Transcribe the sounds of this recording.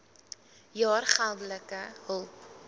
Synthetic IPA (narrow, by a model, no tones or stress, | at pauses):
jɑːrχalˠdələkəɦəlˠp